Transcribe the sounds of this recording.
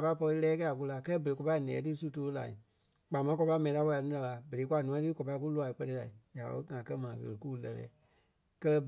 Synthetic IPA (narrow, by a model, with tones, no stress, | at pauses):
a˨pa˧˦i˦pɔ˧li˧lɛː˦kɛ˦a˨k̬u˧la˧˦kɜ˦lɛ˦bə˨e˨kɔ˧pa˧i˨nɛ̰̃ː˨˦tɨ˦su˦toː˧˦la̰˨i˨ | k͡paː˨mã˨˦kɔ˧pa˧˦mɛ̃˨ĩ˧la˦wɔ˧˨a˨nũ˦la˨˧˨la˧˨bə˨e˨˦k̬wa˧˨nũ˦˧˦tɨ˦kɔ˨pa˧i˦k̬u˦lu˧˦a˨i˨k͡pɜ˧tɛ˧la̰˨i˨ja˨o̰˧˦ŋã˨kɜ˧mãː˨ɣə̰˨lə˨kuː˦˨˦lɛ˧lɛ̰ː˨˦ | kɜ˦˧lɛ˧b